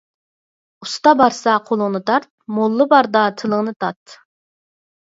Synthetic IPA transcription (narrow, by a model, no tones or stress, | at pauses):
ust̪ɑbɑɾsɑqʰolˠʊŋnɨt̪ʰɑɾt̪̚molˠːɨbɑɾd̪ɑt̪ʰɨlˠəŋnɨt̪ʰɑt̪